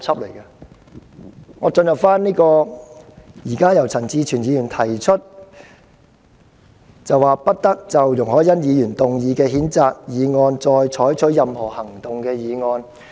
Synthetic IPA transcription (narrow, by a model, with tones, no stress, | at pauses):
t͡sʰɐ˥p̚le˨˩jkɐ˧ | ŋɔː˨˧t͡sɵ˧njɐ˨p̚faː˥nniː˥kɔː˧ | jiː˨˩kaː˥jɐ˨˩wt͡sʰɐ˨˩nt͡siː˧t͡ʃʰyː˨˩njiː˨˧jy˨˩nt̪ʰɐ˨˩jt͡ʃʰɵ˥t̚ | t͡sɐ˨wːaː˨pɐ˥t̚t̪ɐ˥k̚t͡sɐ˨wjʊ˨˩ŋhɔː˨˥jɐ˥njiː˨˧jyː˨˩nt̪ʊ˨ŋjiː˨˧kɛː˧ɦiː˨˥nt͡saː˨˧k̚jiː˨˧ŋɔː˧nt͡sɔː˧jt͡ʃʰɔː˨˥jt͡ʃʰɵ˨˥jɐ˨mhɔː˨˩hɐ˨˩ŋt̪ʊ˨ŋkɛː˧jiː˨˧ŋɔː˧n